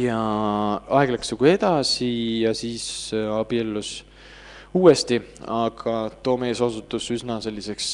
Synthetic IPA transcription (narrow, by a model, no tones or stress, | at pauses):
jɑ | ɑeɡ̥leksnuɡ̥ue̞d̪̥ɑsijɑsiːsɑb̥ielːus | uːest̪iɑɡ̥ɑt̪o̞ːme̞ːsosut̪ːˑusysnɑse̞lʲːise̞ks